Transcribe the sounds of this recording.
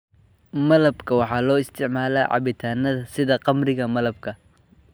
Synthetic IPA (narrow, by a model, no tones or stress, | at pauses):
mɐlɐbkʰɐwɑħɑːlɔːɪst̪ʰɪʕmaːla̰ːʕɑ̰βɪt̪ʰaːnːɐðɐsɪðɐqɑmrɪɣɐmɐlɐb̚kʰɐ